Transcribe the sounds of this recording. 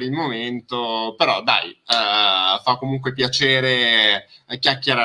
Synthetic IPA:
ɾilmoment̪opeɾɔd̪a̰j | fakːomuŋkwepjat͡ʃeːɾe | kjakʲːeɾa

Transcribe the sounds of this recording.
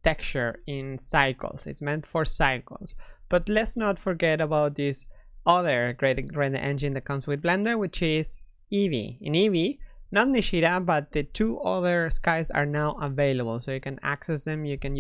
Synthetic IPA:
t̪ʰɛkt͡ʃə˞ɪ̃nsaɪkl̩ˠsɪ̰tsmɛ̃ntfɔɹsaɪkl̩ˠsb̥ʌt̪lɛtsnətfɔɹɡɛɾəbawt̪̚ðɪsʌðə˞ɡɹeɾɡɹæ̃ndʔɛ̰̃nd͡ʒɨ̃ndðæt̚kʌ̃mswɪðblɛ̃ndə˞wɪt͡ʃɪz | ivḭɪ̃nivinɔniʃiɾabʌt̪̚ðɨtʰuʔʌðə˞skaɪza̰ɹnawʔəveɪləbəlˠsojukæ̃næ̰ksɛsðɛ̃mjɨkɨ̃n

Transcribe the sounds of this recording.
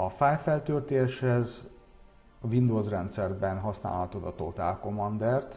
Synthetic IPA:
ɒfaːjfɛlt̪ølt̪eːʃhɛz | ɒvind̪oːzrɛnt̪sɛrbɛnɦɒsna̰ːlhɒt̪od̪ɒ̰t̪o̰t̪a̰ːlko̞mɒnd̪ɛrt̪

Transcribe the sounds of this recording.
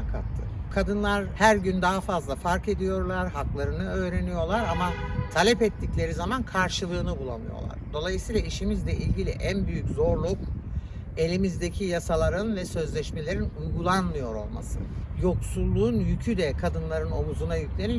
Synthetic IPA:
kʰat̪ʰːɯ̰kʰad̪ɯnlˠaɾhæɾɟynd̪aɦafazlˠafaɾke̞d̪ijo̞ɾlˠaɾɦaklˠaɾɯnɯø̞ːɾe̞nijo̞lˠaɾamat̪ʰalʲɛpɛt̪ʰːiclʲe̞ɾizamankʰaɾʃɯlˠɯːnɯbulˠa̰nɯ̰jo̰lˠa̰ɾd̪o̞lˠajɯsijːlˠaiʃimizlʲɛʔilʲɟilʲḭʔænbyjyczo̞ɾlˠuk̚ | e̞lʲimizd̪e̞cʰijasalˠaɾɯnvɛsø̞zlʲɛʃme̞lʲe̞ɾinujɡulˠanmɯjo̞ɾo̞̰lˠma̰sɯ̰jo̞ksulˠːuːnjycʰyd̪ɛkʰad̪ɯnlˠaɾɯno̞muzunajycʰʲlʲe̞ni

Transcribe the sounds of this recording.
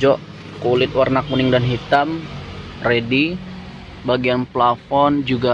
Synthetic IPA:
d͡ʒɔʔ | kulɪt̪̚warnakunɪŋdanɦit̪am | redi | baɡianplafɔnd͡ʒuɡa

